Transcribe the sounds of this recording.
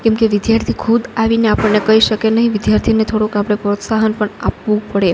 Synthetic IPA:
kɛ̃mkeʋɪd̪jaɾt̪ʰikʰud̪aʋineapəɳːekəɦiʃəkenəɦĩʋɪd̪jaɾt̪ʰinet̪ʰoɽokapɽ̃epɾot̪saɦənpəɳa̰pʋũpəɽe

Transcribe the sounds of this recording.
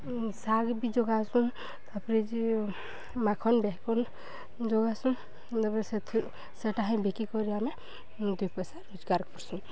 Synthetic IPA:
saɡbid͡ʒɔɡasũn | t̪apɾed͡ʒi | makʰɔnbɛɦkɔn | d͡ʒɔɡasũ | t̪apɾeset̪ʰ | seʈaɦãj̃bʱekikɔɾiame | d̪ujpɔsaod͡ʒɡaɾkɔɾsũ

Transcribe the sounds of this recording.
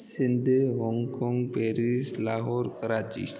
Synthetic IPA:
sɪnd̪ʱeɦɔŋkɔ̃ŋɡpeɾislaːɦɔɾkəɾaːt͡ʃḭ

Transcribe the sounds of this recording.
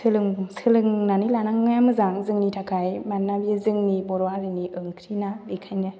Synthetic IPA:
sɯlɯŋmsɯlɯŋnanilanaŋŋɯjamɯzaŋzɯŋnitʰakʰajmanːabiɯzɯŋnibɔɾɔaɾɯniʔɯŋkʰɾinalikʰajna

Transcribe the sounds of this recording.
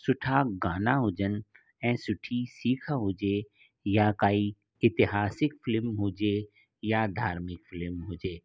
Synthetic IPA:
sʊʈʰaɡaːnaɦʊd͡ʒən | ɛ̃ːsʊʈʰisiːkʰaɦod͡ʒe | jakaːi | ɪt̪ɪɦaːsɪkfɪlɪmɦuːd͡ʒe | jad̪ʱaːɾmɪkfɪlɪmɦʊːd͡ʒeː

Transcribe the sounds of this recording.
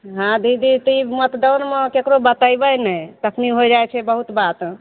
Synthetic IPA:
ɦãd̪id̪it̪imət̪d̪əwnmekekɾobət̪əjbəjnɛjt̪əkʰniɦojd͡ʒajt͡ʃʰɛbəɦut̪bat̪

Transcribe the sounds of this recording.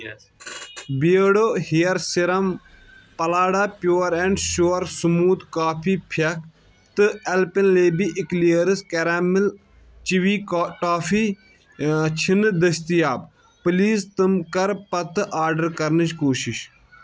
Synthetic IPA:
biɽoːhijɐɾsiɾɐm | pɐlaːɽaːpjoːɾɛɳɖʃoːɾsumuːt̪kaːpʰiːpʰɐk | t̪ɨɛlpinleːbiʔɪkliɐɾɨskɐɾaːmɪl | t͡ʃiʋiːkːʈaːfiː | t͡ʃʰind̪ɐst̪ijaːb | pɨliːst̪ɨmkɐɾpɐt̪ɨʔaːɾɖɐɾkɐɾnɨt͡ʃkoːʃiʃ

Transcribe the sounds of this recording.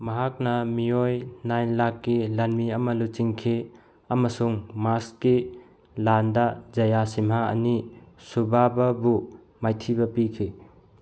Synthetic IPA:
mɐɦak̚nɐmijojnajnlakːilanmiɐmɐlut͡ʃiŋkʰe | ɐmɐsuŋmaski | landad͡ʒɐjasimɦaɐ̰nisubʱabɐbu | majtʰibɐpikʰi

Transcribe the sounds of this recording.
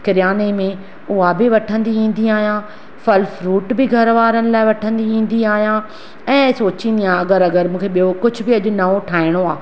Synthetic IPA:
kɪɾjaːnemẽ | ʊɦabɪʋɐʈʰə̃nd̪iĩːn̆d̪iaːɦijãː | fɐlfɾuːʈbɪɡʱɐɾʋaːɾənɪ̆laːɪʋɐʈʰə̃nd̪iĩːn̆d̪iaːɦijã | ɛ̃ːsoːt͡ɕĩːnd̪ijãɐɡəɾɐɡəɾmũːkʰeɓijokʊd͡ʑʱʊ̆bɪɐʄʊnɐʋoʈʰaːɪɽ̃oaː

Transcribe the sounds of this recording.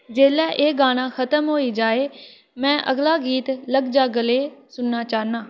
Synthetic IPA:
d͡ʒeːlɛːʔeːɡaːñãːxət̪əmɦoːid͡ʒaːeː | mɛ̃ːʔəɡlaːɡiːt̪ləɡd͡ʒaːɡəleːsʊnːaːt͡ʃaːnaː

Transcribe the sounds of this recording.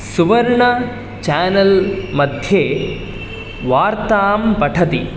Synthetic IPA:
suʋɐɾɳɐ | t͡ʃaːnɐlmɐd̪ʱjeː | ʋaːɾt̪aːmpɐʈʰɐt̪i

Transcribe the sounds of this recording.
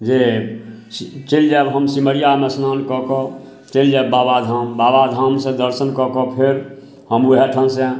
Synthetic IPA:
d͡ʒe | t͡ʃeld͡ʒɛbɦəmsiməɾijamesnankɔkɔ | t͡ʃeld͡ʒababad̪ʱɦambabad̪ʱamsẽd̪əɾsənkɔkɔpʰeɾ | həmuɦeʈʰənsẽ

